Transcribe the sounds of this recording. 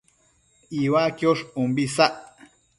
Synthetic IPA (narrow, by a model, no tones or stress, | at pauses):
iwakjoʂumbisaʔ